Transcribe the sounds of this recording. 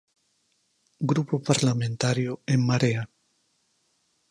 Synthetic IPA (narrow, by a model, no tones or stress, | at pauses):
ɡɾupopaɾlamẽnt̪aɾjoeŋmaɾea